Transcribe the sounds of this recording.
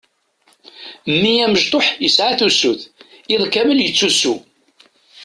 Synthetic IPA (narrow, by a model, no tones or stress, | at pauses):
mːijæməʒt̪ˤoħjəsʕaθusuθɪðˤkːæməljət͡sːusu